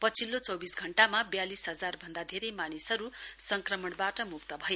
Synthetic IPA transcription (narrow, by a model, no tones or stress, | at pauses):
pʌt͡sʰilːot͡sʌwbisɡʱʌɳʈamabjalisɦʌd͡zarbʱʌnd̪ad̪ʱeɾʌjmanisʌɾusʌŋkrʌmʌɽbaʈʌmukt̪ʌbʱʌje